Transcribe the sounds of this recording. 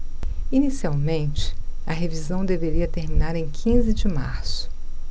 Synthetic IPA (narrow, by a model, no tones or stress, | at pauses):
inisiawmẽnt͡ʃɪ̥ɐɦevizɐ̃w̃d̪eveɾiɐt̪eɾmĩnaɾẽj̃kʰĩzɪd͡ʒɪma̰ɾsʊ̥